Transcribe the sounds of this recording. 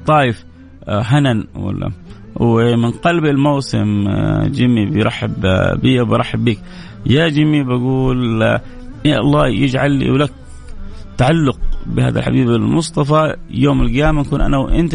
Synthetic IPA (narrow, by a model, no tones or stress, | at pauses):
t̪ˤɑːjɪf | ɦananwa̰lːa̰ | wɪmɪnqɑlbɪlmawsɪ̰md͡ʒɪmːibɪjɾˤɑħːɪ̰bbijawbjɾˤɑħːɪbːiːk | jad͡ʒɪmːibaɡuːl | ʔɑlˤːɑːjɪd͡ʒʕalːḭwlak̚ | t̪ːaʕalːʊq̚bɪha̰ːða̰lħa̰biːbɪlmʊst̪ˤɑfɑjoːmɪlɡjaːmaʔkuːnʔa̰nawʔɪ̰nt̪